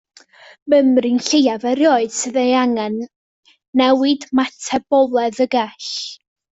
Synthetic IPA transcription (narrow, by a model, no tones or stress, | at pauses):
məmrinɬejavɛɾjoːɨd̥sɨðejaŋɛnː | ɛwɪdmatʰɛbɔlˠɛðəɡɛɬ